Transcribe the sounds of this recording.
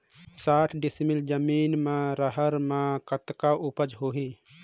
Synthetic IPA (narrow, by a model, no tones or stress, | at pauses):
saːʈʰɖɪsmild͡ʒəmiːnmẽɾəɦəɾmẽkət̪kaʔupəd͡ʒɦoːɦi